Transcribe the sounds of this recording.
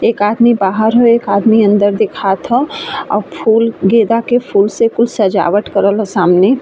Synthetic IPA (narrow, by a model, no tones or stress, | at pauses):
eːkaːd̪mibaːɦəɾɦoeːkaːd̪miɐ̃nd̪əɾd̪ɪkʰat̪ʰɔ̃ɔ̰ːpʰuːlɡeːd̪akepʰuːlsekʊlsɐd͡ʒa̰ːʋəʈkəɾəlɦsaːmne